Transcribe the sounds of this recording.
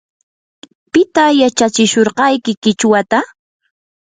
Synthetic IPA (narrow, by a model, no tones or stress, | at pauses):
pɪt̪ajat͡ʃat͡ʃɪʃoɾɢɑjkɪkɪt͡ʃwat̪a